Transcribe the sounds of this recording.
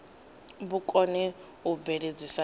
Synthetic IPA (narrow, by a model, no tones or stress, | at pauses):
bukʼɔnɛ | ɦubeɺed͡zisa